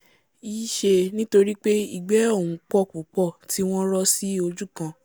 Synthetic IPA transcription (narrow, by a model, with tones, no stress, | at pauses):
i˦ʃe˧nĩ˦to˧ɾi˦k͡pe˦i˦˨ɡ͡bɛ˨˦o˦˨wũ˨k͡pɔ˦˨ku˨˦k͡pɔ˦˨tʰi˨˦w̃ɔ̃˦ɾɔ˦si˦o˧d͡ʒu˦kã˧